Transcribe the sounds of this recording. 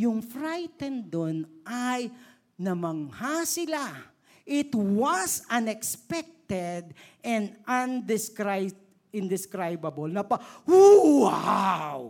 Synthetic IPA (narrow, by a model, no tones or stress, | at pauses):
jʊŋfɾajt̪ɛnd̪onʔaj | nɐmɐŋhasɪla | ʔɪt̪wɐsɐnɛkspɛk̚t̪ɛd̪ʔɛ̃nd̪ɐnd̪ɪskɾaj | ɪ̃nd̪ɪskɾajbɐbɐlnɐpɐwoaw